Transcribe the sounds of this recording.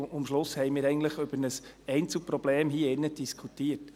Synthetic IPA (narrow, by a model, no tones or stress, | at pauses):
ʊmʃlʊshɛɪmiːɾɛɪɡən̩tləχʏb̥əɾnəs | ɛɪnt͡sl̩pɾɔb̥leːmɦiːɪnːəd̥iskʰutiːət